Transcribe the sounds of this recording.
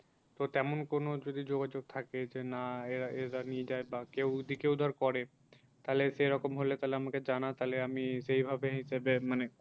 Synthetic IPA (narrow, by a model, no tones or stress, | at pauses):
t̪ot̪ɛmonkonod͡ʑod̪id͡ʑoɡad͡ʑoɡ̚t̪ʰaked͡ʑenaeɾaeɾanied͡ʑaebakewd̪ikeud̪ʱaɾkɔɾe | t̪aleʃeɾɔkomɦolet̪aɦleamaked͡ʑanat̪aleamiʃejbʱabeɦiʃebemane